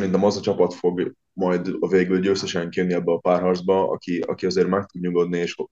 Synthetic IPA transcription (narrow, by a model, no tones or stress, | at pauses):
ɛɾint̪ɛmɒzɒt͡ʃɒpɒt̪fo̞ɡ | mɒjd̪veːɡylɟøːsɛʃɛŋkijønːiɛbːɛɒpaːrɦɒrdzbɒɒ̰kiɒ̰kiɒzeːrmɛk̚t̪ud̪ɲuɡo̞d̪nieːʃ